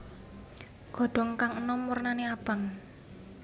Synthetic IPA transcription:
ɡ̥ɔ̤ɖ̥ɔ̤ŋkaŋənɔmurnaneab̥a̤ŋ

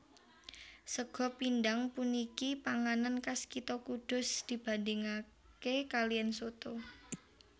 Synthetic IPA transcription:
səɡ̥ɔ̤pindaŋpunikipaŋanankaskit̪ɔkud̪̥ʊ̤sd̪̥i̤b̥a̤ndɪŋa | kekalijansot̪o

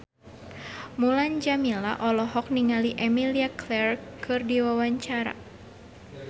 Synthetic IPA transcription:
muland͡ʒamila̰ʔɔlɔɦɔk̚niŋaliʔɛmiliaklɛrkʰɨrdiwawaɲt͡ʃaɾa̰

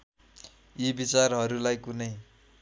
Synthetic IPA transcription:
ibit͡sarɦʌɾulajkunʌj

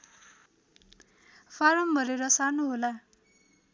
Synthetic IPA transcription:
fʰaɾʌmbʱʌɾeɾʌsanoɦola

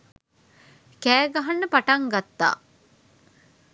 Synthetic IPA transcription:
kæːɡɐɦanːəpaʈɐŋɡat̪ːa̰ː

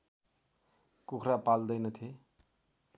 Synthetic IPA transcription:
kukʰrapald̪ʌjnʌt̪ʰe

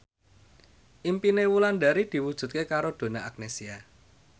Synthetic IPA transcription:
ʔimpinewuland̪aɾid̪̥i̤wud̥ʒ̥ṳt̪̚kekaɾod̪̥o̤naʔak̚nesia

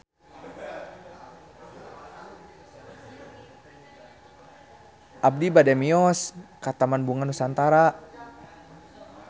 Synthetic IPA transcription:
ʔab̚dibadɛmiɔskat̪amanbuŋanusant̪aɾa

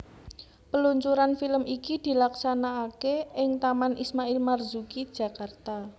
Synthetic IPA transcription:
pəluɲt͡ʃuɾanfiləmikid̪̥i̤laksanaːkeɪŋt̪amanʔismailmarzukid̥ʒ̥a̤kart̪a

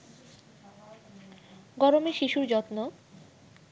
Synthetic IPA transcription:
ɡɔɾomeʃiʃuɾd͡ʑɔt̪no

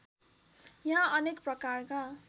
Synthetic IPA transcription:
jãʌnekprʌkarka

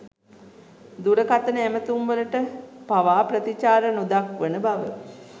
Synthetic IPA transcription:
d̪uɾəkat̪ənəæmət̪umʋələʈəpaʋaːprət̪it͡ʃaːɾənud̪akʋənəbaʋə

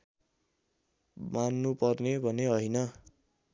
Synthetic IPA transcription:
manːupʌrnebʱʌneʌjnʌ

